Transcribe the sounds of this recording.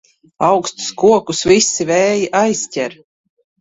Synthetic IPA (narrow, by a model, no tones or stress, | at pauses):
awkst̪skuɔkusvisːivɛːjiʔajstʲɛɾ